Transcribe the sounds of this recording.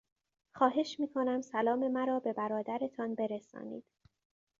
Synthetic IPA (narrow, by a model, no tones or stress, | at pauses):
xɒːɦe̞ʃmiːkʰo̞næmsælɒːme̞mæɾɒːbe̞bæɾɒːd̪æɾe̞t̪ʰɒnbe̞ɾesɒ̰ːnḭːd̪̥